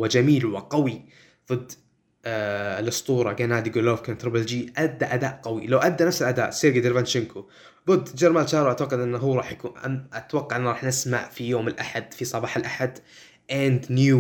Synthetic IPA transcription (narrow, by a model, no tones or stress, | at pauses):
wɪd͡ʒamiːlwɪqɑwi | ðˤɨd̪ː | lɨst̪ˤuːɾˤɑɡanaːd̪iɡʊlofkant̪ɾɪbɪld͡ʒiʔad̪ːaʔad̪aːʔqɑwilawʔad̪ːanafsɪlʔad̪a̰ːʔsiːɾɡɪd̪ɪɾvanʃɪnkʰo | ðˤɨd̪ːd͡ʒɪɾmaːlt͡ʃɑːɾˤwʔat̪waqːad̪ʔɪnːɦuːɾˤɑːħjakuːnaʔat̪wɑqːɑʕʔɪnːɾˤɑːħnɪsma̰ʕfijoːmɪlʔaħad̪̥fisˤɑbɑːħɪlʔaħad̪ | ʔand̪njuː